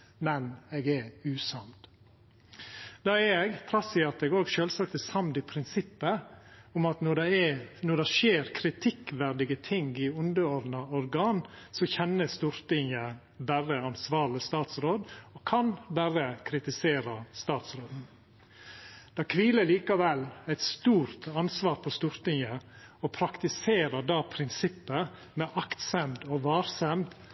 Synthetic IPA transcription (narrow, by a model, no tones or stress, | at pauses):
mɛnɛɡɛʉːsɑmd̪ | d̪ɑːɛɛɡt̪ʰɾɑsɪɑt̪ɛɡoːɡʃøːlsɑk̚t̪əsɑmd̪ɪpʰɾɪnsɪpːəʊmɑt̪nɔɖɛɛnɔɖɑʂeːɾkʰɾɪt̪ʰɪkʋæɾɖ̪ɪɡət̪ʰɪŋɡɪʊnd̪əɔɾd̪nɑɔɾɡɑːnsɔçɛnːəst̪uːɾt̪ɪŋə | bæɾəɑnsʋɑːɾlɪst̪ɑːt̪sɾoːd̪ɔkʰɑnbæɾəkʰɾɪt̪ɪseːɾɑst̪ɑːt̪sɾoːd̪n̩ | d̪̥ɑkʰʋiːləɭiːkɑʋɛlæɪt̪st̪uːɾt̪ɑnsʋɑːɾpʰɔst̪uːɾt̪ɪŋəɔpʰɾɑkt̪ɪseːɾəɖɑːpʰɾɪnsɪpːə | mɛʔɑkt̪sɛmd̪ɔʋɑːɾsɛmd̪